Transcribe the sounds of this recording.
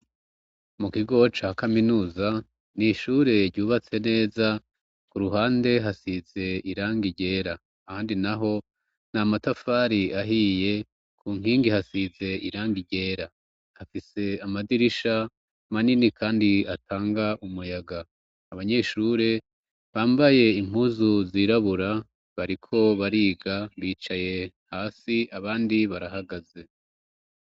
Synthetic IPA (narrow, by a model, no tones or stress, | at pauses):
mukiɡo̞t͡ʃahkaminuːza | niʃuːɾe̞ɾɟuːβat͡se̞ne̞ːza | kuɾuɦaːnde̞ɦasize̞iɾaːŋɡiɟe̞ːɾaː | haːndinaɦo̞ | n̥amatafaːɾiaɦiːje̞ | kʰuːŋ̥iːŋɡihasize̞ʔiɾaːŋɡiɟe̞ːɾa | hafise̞amadiɾiʃa | maninikʰaːndiatʰaːŋɡaʔumujaɡaː | βaɲe̞ʃuːɾe̞ | βaːmbaje̞im̥huːzuziːɾaβuɾa | βaɾikʰo̞βaɾiːɡaβiːt͡ʃaje̞ | haːsiaβaːndiβaɾaɦaɡaze̞